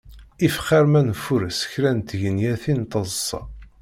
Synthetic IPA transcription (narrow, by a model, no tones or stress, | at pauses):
ifχæɾmænfuɾəsə̥çɾænt̪ʝənjæθint̪ˤəzˤsˤɑ̰